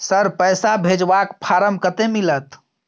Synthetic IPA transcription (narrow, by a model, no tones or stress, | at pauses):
səɾpəjsabʱed͡ʒbakpʰaɾəmkət̪emilət̪